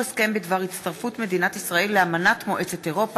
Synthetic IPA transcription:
eske̞mbed̪vaʁitt͡sst̪aʁfutme̞d̪inatisʁaelːeamanat̪mo̞ʔe̞t͡seteʁo̞p

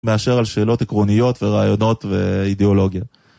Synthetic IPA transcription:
me̞aʃe̞ʁalʃe̞ːlo̞t̪ekʁo̞nijo̞t̪ve̞ʁaajo̞no̞t̪ve̞ideo̞lo̞ɡja

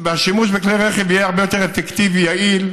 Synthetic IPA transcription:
veaʃimuʃbekleʁeχevijeaʁbe̞jo̞t̪eʁefekt̪ivijail

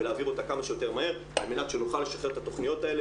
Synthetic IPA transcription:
eleaːviʁo̞t̪akamaʃejo̞t̪e̞ʁmahe̞ʁ | a̰lmenatʃenuχalːe̞ʃaχe̞ʁt̪at̪o̞χnijo̞t̪ae̞le

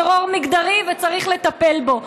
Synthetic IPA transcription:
ʁoʁmiɡd̪aʁivet͡saʁiχle̞t̪ape̞lbo̞

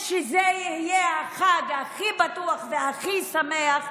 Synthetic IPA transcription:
ʃezejihijeaχaɡhaχibat̪uaχveaχisameaχ

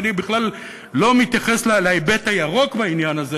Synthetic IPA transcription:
nibiχlalː | o̞mit̪jaχeslaleebet̪ajaʁo̞kbainjanaze

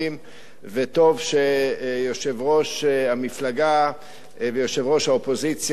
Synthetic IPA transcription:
im | veto̞vʃejoʃe̞vʁo̞ʃhamiflaɡa | vejo̞ʃe̞vʁo̞ʃhaopo̞zit͡sj

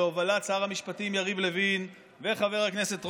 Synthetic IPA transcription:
ovalat͡saaʁhamiʃpatimjaʁivle̞vin | veχave̞ʁhaknese̞tʁ

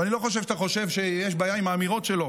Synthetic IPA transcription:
anilo̞χoʃ̬evʃat̪aχo̞ʃevʃejeʃbaːjaimaːmiʁo̞tʃelo̞

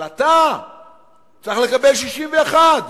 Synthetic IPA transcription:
at̪a | t͡siχle̞kabelʃiʃimveeχad̪

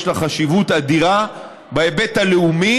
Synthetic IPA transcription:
ʃlaχaʃivutad̪iʁa | baebe̞taleumi

